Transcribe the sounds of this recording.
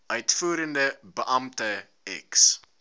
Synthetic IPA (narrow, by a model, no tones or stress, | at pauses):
ʔœɥtfuːɾəndəbəʔɐmtə | ɛ̰ks